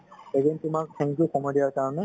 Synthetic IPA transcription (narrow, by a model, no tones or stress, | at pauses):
eɡentʊmak̚tʰɛ̃ŋkjukɔmɔdijaɹkaɹɔnɛ